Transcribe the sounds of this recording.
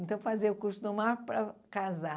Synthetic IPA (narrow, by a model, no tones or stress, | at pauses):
nt̪ɐ̃w̃fazeɾukuɾsʊd̪ʊmaɾpɾɐkaza